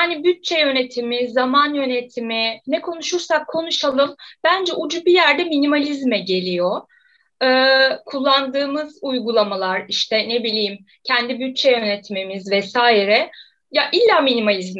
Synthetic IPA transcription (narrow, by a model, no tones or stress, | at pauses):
hanibyt̪̚t͡ʃʰɛjø̞ne̞t̪ʰimizamanjø̞net̪ʰiminɛkʰo̞nuʃuɾsakʰːo̞nuʃalˠɯmb̥ænd͡ʒɛʔud͡ʒubijæɾd̪ɛminimalʲizmɛɟe̞lʲijo | ɯːkʰulˠːand̪ɯːmɯzujɡulˠamalˠaɾiʃt̪ʰɛne̞bilʲijm | cʰɛnd̪ibyt̪̚t͡ʃʰɛjø̞net̪ʰimimizvɛsaːjiɾɛ | jaʔilʲːaːminimalʲizmɛ